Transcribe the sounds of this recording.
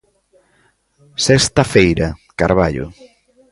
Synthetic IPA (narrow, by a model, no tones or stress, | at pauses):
sest̪ɐfejɾɐkaɾβaʎʊ̰